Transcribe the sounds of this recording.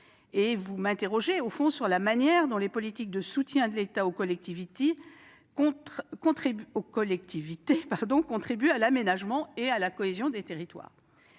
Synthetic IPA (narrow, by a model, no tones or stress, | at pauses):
evumɛ̃t̪eʁɔʒeofɔ̃syʁlamanjɛʁd̪ɔ̃lepɔlit̪ik̚d̪əsut̪jɛ̃d̪əlet̪aokɔlɛk̚t̪ivit̪e | ɔ̃kɔ̃t̪χibokɔlɛk̚t̪ivit̪epaʁd̪ɔ̃kɔ̃t̪χibyalamenaʒmɑ̃ealakɔezjɔ̃d̪et̪eʁit̪wa̰ːʁ